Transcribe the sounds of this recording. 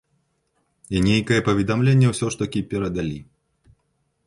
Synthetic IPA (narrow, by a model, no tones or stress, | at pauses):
inʲejkɐjɛpɐvʲɛd̪amlʲenʲːɛwsʲɔʂt̪ɐkʲipʲɛɾɐd̪alʲi